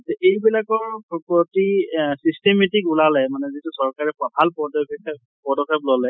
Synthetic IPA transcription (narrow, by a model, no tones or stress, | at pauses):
tɛejbilakɔɹpɔpɔtisistemetikulalɛmanɛzitusɔɹkaɹɛpɔpʰalpɔdɔkk | pɔdɔkʰɛp̚lɔlɛ